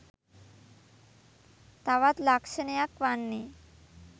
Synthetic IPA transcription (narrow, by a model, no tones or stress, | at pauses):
t̪awat̪lakʃenejakwanːi